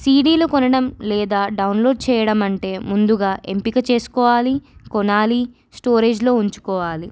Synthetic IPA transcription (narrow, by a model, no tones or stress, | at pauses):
siːɖiːlukɔnɐɽɐmlɛːd̪aːɖɐwunlo̞ːɖ̚t͡ʃɛːjɐɽɐmɐɳʈe̞ːmund̪uɡaːʔe̞mpikɐt͡ʃe̞ːsu̥kɔːʋaːlikɔnaːli | sʈo̞ːɾe̞ːd͡ʒlo̞ːuɲt͡ʃu̥kɔːʋaːli